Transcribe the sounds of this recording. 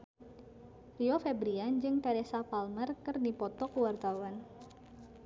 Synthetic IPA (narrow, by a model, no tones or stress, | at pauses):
riɔfɛbɾiand͡ʒɨŋt̪ɛɾɛsapalmərkɨrnipɔt̪ɔkuwart̪auwan